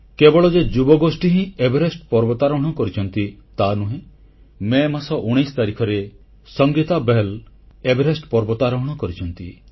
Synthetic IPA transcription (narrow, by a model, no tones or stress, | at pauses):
kebɔɭɔd͡ʒed͡ʒubɔɡosʈiɦĩebʱeɾesʈpɔɾbɔt̪aɾɔɦɔɽ̃ɔkɔɾit͡ʃʰɔnt̪it̪anuɦẽ | memasɔʔuɽ̃ejst̪aɾikʰɔɾe | sɔŋɡit̪abel | ebʱeɾesʈpɔɾbɔt̪aɾɔɦɔɽ̃ɔkɔɾit͡ʃʰɔnt̪i